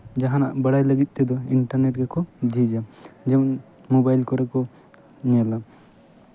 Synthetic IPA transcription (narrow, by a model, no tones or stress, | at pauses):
d͡ʒaɦanaʔbəɽajləɡit̪̚ˀt̪ɛd̪ɔiɳʈaɾnɛʈ̚ɡɛkɔd͡ʒid͡ʒad͡ʒɛmɔn | mobajlkɔɾɛkɔ | ɲɛla